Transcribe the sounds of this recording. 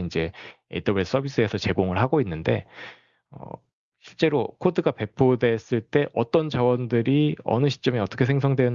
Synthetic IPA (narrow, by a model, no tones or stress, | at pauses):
ind͡ʑe̞etʰʌbes͈ʰʌbis͈ʰɯesʰʌt͡ɕe̞ɡoŋɯɭɦaɡoinːɯnde̞̰ | ʌ̰ | ɕʰiɭt͡ɕ͈e̞ɾokʰodɯɡape̞pʰodwe̞s͈ɯɭt͈e̞ʔʌt͈ʌnd͡ʑawʌndɯɾiʌ̰nɯɕʰi̥t͡ɕ͈ʌmiʌt͈ʌkʰe̞sʰeŋs̬ʰʌŋdwe